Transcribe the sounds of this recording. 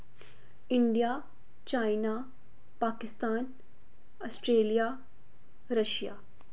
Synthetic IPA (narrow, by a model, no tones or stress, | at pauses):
ɪɳɖijaː | t͡ʃaːɪnaː | paːkɪst̪aːn | ɐsʈɾeːlijaː | ɾɐʃja̰ː